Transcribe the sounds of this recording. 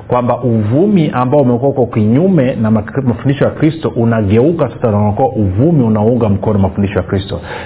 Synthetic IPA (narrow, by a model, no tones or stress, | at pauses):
kwambaʔuvumiʔambaɔumɛkuwahukɔkiɲumɛnamafundiʃɔjakɾistɔʔunaɠɛukasasananakuwaʔuvumiunauŋɡam̩kɔnɔamafundiʃɔjakɾistɔ̰